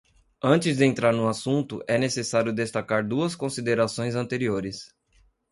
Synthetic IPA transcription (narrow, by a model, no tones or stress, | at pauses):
ɐ̃nt͡ʃɪzd̪ɪẽnt̪ɾaɾnʊasũnt̪ʊʔɛnesesaɾjʊd̪est̪akaɾd̪uɐskõsid̪eɾasõj̃zɐ̃nt̪eɾioɾɪs